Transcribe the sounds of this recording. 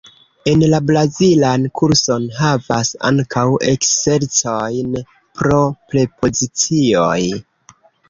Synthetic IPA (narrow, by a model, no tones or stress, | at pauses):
e̞nlabɾazilankʰuɾso̞nɦava̰sa̰ŋkʰawʔe̞̰kse̞ɾt͡so̞jn | pɾo̞ple̞pʰo̞zit͡sio̞j